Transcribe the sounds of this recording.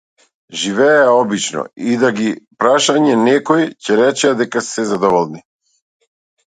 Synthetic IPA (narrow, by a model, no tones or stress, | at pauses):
ʒivɛaɔbit͡ʃnɔ̰id̪aɡipɾaʃaɲɛnɛkɔjcɛɾɛt͡ʃɛad̪ɛkasɛzad̪ɔvɔlˠni